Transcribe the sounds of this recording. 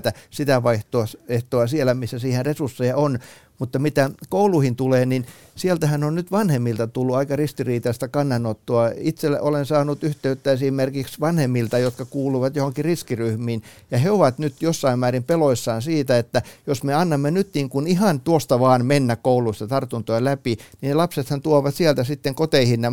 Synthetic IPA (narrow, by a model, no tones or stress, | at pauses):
t̪æsit̪æʋɑiht̪oɑseht̪oɑsielːˑæmisːæsiːhenresursːejɑon | mut̪ːɑmit̪ækouluhint̪uleːnin | sielt̪æhænonnyt̪ʋɑnhemːilt̪ɑt̪ulːuɑikɑrist̪iriːt̪ɑst̪ækɑnːɑnot̪ːuɑit̪sel̰ːʔolensɑːnut̪yht̪eyt̪ːæesimmerkiksʋɑnhemːilt̪ɑjot̪kɑkuːluʋɑt̪johoŋkiriskiryhmiːn | jɑheoʋɑt̪nyt̪josːɑimmæːrimpeloisːɑːnsiːt̪æet̪ːæjosmeɑnːɑmːenyt̪niːŋkunihɑnt̪uost̪ɑʋɑːnmenːækkouluist̪ɑt̪ɑrt̪unt̪oelæpininlɑpset̪hɑnt̪uoʋɑt̪siælt̪æsit̪ːeŋkot̪eihinne